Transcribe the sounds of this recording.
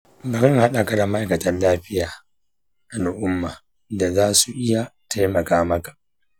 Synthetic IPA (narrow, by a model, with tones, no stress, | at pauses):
bɐ˨ɾɪ˦ŋha˦ɗa˨ka˨da˨ma˦ʔa˨kɐ˨tɐ˦nlaː˦ɸɪ˦jaː˨ | ʔa˨n˨ʔʊ˦mːaː˨ | da˨zaː˦su˨ʔɪ˦ja˨ta˦jmɐ˨kaː˦mɐ˦kḁ˨ʔ